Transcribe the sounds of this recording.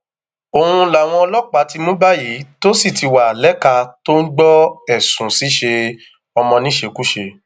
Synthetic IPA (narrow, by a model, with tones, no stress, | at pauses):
o˨hũ˧la˨w̃ɔ̃˧ɔ˧lɔ˦k͡pa˨˦ti˧mũ˦ba˦ji˨˦to˦si˦˨tʰi˨˧wa˨lɛ˦ka˧to˦n̩˦ɡ͡bɔ˦ɛ˦˨sũ˨si˨˦ʃe˧ | ɔ˧mɔ̃˧nĩ˦ʃe˧ku˦ʃe˧